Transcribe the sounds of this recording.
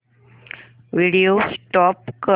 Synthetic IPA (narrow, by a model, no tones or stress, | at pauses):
ʋiɽijosʈɔpkə